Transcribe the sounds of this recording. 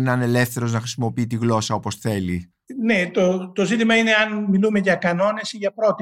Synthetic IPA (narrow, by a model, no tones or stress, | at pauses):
nɐne̞le̞fθe̞ɾo̞znɐxɾisimo̞piit̪iɣlo̞sɐo̞po̞sθe̞li | net̪ot̪o̞zit̪imɐine̞ɐnmilume̞ʝɐkɐno̞ne̞siʝɐpɾo̞t̪i